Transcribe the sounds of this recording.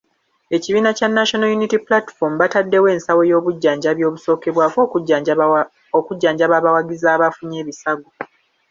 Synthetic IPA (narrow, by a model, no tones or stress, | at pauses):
e̞ciβiːnacanːaʃonajunitiplati̥fo̞mβatadːe̞we̞ːnsawo̞jo̞ːβuɟːaːɲɟaβjo̞ːβuso̞ːke̞βwaːko | okuɟːaːɲɟaβaβawaɡizaːβafuɲe̞ːβisaɡo